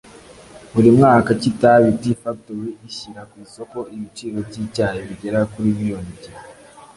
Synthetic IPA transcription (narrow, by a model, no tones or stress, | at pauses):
βuɾimŋaːkacitaβitifak̚towiʔiʃiɾakwiso̞ko̞ʔiβit͡ʃiːɾo̞vɟicaːɲeβiɟe̞ɾakuɾiβijonibɟa